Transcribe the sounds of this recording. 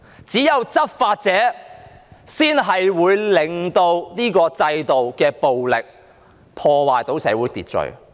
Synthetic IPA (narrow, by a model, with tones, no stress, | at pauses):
t͡siː˨˥jɐ˨˧wt͡sɐ˥t̚faː˧t̚t͡sɛː˨˥ | siː˥nɦɐ˨jwuː˨˧jlɪ˨ŋt̪o˧wniː˥kɔː˧t͡sɐ˧jt̪o˨wkɛː˧po˨wlɪ˨k̚ | pʰɔː˧waː˨˩jt̪o˨˥wsɛː˨˧˥wuː˨˥jt̪iː˨˩t̚t͡sɵ̰˨ɥ